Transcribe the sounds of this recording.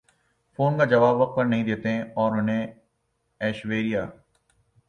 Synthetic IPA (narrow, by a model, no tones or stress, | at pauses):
foːnkad͡ʒɐʋaːbʋɐq̚t̪̚pɐɾnɐɦĩd̪eːt̪eɦɛ̃ɔːɾʊnɦẽ | ɛːʃʋeːɾijaː